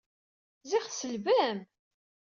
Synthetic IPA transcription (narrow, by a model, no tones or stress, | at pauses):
ziχsəlvæm